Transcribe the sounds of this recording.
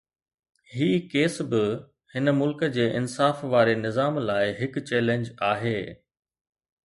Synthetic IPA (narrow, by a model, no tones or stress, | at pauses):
hiːkeːsbɪ | hɪnəmʊlkə̆d͡ʑeːʔɪnsaːfʋaːɾenɪzaːmlaːɪɦɪkt͡ɕɛːlẽɲd͡ʑaːɦeː